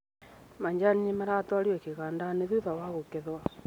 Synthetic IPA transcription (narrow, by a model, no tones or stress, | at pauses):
maɲd͡ʒanɲimaɾatwaɾiɛkeɣandaneðuðawaɣokeðwa